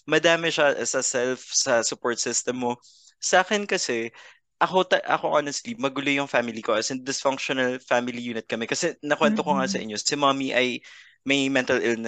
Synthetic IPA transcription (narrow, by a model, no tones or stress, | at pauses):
mɐd̪aːmɪʃasɐsɛlfsɐsʊpoɹt̪sɪst̪ɛmːo̞ | sɐʔaːkɛnkɐsɛ | ʔɐko̞t̪ɐʔɐ̰ko̞ʔanɛst̪limɐɡʊlojʊŋfaːmɪlikoʔɛsɐd̪ɪsfɐŋkʃonɐlfamɪlijuːnɪt̪̚kɐmɛkɐsɛnɐkwɛnt̪okoŋasɐʔɪ̰ɲːosɪmamiʔɐj | mɐjmɛnt̪ɐlɪlnɛ